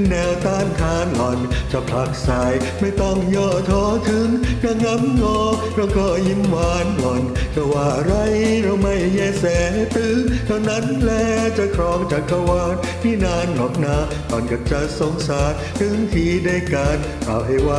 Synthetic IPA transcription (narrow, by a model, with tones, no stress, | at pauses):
nɛː˧wt̪aː˧˩nt̪ʰaː˧˥˩nkɔ˨˧nt͡ɕa˧˩pʰa˨˧˩k̚sa˨˧jma˥˩jt̪ɔ˥˩ŋjɔː˧˩t̪ʰɔː˧˥t̪ʰɯ˧˦˥ŋna˧˩ŋa˦˥mŋɔː˧k̚ɾa˧wkɔː˧˩ji˧˥mwaː˧nkɔ˨˩nka˧˩waː˧˩ʔa˧ɾa˧jɾa˧wma˥˩jːɛː˧˩sɛː˧˩ha˧˩t̪ɯː˧˥ŋt̪ʰa˧wna˦˥nlɛː˧t͡ɕa˧˨kʰɾɔː˨˥ŋt͡ɕaː˨˩kːa˧waː˧˩n̚miː˧˩naː˧˩nːɔː˨˩p̚naː˧˥ | t̪ɔː˨˩nka˨˧˩p̚t͡ɕa˧˩so˧ŋsaː˨˦t̪̚t̪ʰɯ˧˥ŋt̪ʰiː˧˥daː˥˧˩jka˧˩n | ka̰ː˨˦wha˧˥˩jwaː˧˩